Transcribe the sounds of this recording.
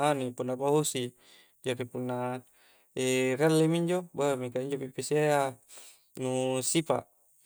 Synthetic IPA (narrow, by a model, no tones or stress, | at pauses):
anipunːapaɦusi | d͡ʒaɾipunːa | erealːemiɲd͡ʒobamikaiɲd͡ʒopipisiaa | nusipa̰ʔ